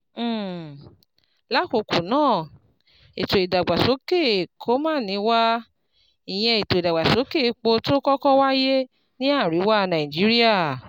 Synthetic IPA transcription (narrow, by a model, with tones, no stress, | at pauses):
la˦ko˧ku˨nãː˦˨ | i˨to˨i˨da˨ɡ͡ba˨so˨˦ke˦˨kʰo˦mãː˦˨nĩ˧˦wa˦ | i˨j̃ɛ̃˧i˨to˨da˨ɡ͡ba˨so˨˦ke˦˨˧k͡po˧to˦kɔ˦kɔ˦wa˦je˦ | nĩ˦a˦˨ɾi˨˦wa˦˧nã˨i˨d͡ʒi˨˦ɾi˦a˦˨